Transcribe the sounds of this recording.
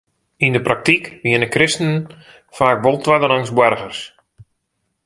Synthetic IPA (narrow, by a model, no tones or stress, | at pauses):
indəprak̚tikʋiənəkrɪstnən | faːkʋolˠtwadəlaŋsbwɛrɣərs